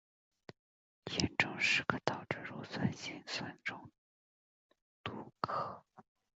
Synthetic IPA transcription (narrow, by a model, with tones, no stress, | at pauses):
t̪ʰjɛ˥nʈ͡ʂʊ˥ŋʂɻ̩˧˥ɡə˧t̪ɑ˨˩ʊʈ͡ʂ̩˥˩ɻu˧˥swa˥˩nɕi˥nswa˥˩nʈ͡ʂʊ˥ŋ | t̪u˧˥kʰɤ˥˩